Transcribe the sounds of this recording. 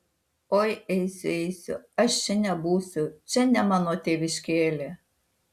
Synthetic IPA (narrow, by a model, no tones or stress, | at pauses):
oːjɛɪsʲʊɛɪsʲʊ̰ɐʃt͡ʃʲɛnʲɛbuːsʲʊt͡ʃʲɛnʲɛmɑːnoːt̪ʲeːʋʲɪʃʲkʲeːlʲeː